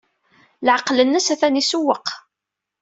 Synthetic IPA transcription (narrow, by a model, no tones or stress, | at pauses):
lʕəqːlənːəsæθænisuwːəq